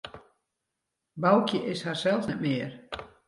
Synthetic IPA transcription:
bawkjəʔɪsharsɛlˠsnɛtmɪər

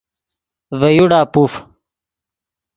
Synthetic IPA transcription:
vəjuɽaːpuf

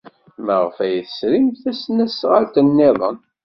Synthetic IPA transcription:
məʁfæjθə̥sɾimθæsnæsʁalt̪ənːeðˤə̰n

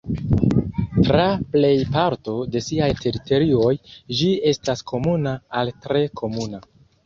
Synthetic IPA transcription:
tɾaple̞jpaɾto̞de̞siajtʰe̞ɾito̞ɾio̞jd͡ʒie̞staskʰo̞munaːltɾe̞kʰo̞muna

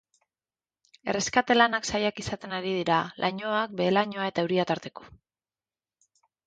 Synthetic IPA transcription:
e̞̰re̞skat̪e̞lanaksajakisat̪e̞naɾið̞iɾalʔaɲo̞ak̚be̞elaɲo̞ae̞t̪aewɾiat̪aɾt̪e̞ko̥

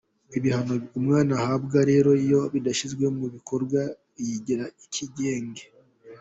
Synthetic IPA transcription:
iβihano̞umŋaːnahabɡaɾe̞ːɾoijo̞βidaʃizɡwe̞muβiko̞ɾɡwa | jiɟiɾaicʰiɟe̞ːŋɡe

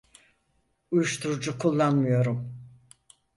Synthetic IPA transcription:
ujuʃt̪ʰuɾud͡ʒukʰulˠːanmɯjo̞ɾum

